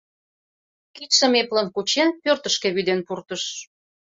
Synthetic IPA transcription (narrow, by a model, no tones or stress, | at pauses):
kit̪ʃə̆meplənkut͡ɕenpørt̪əʃkeβyd̪enpurt̪əʃ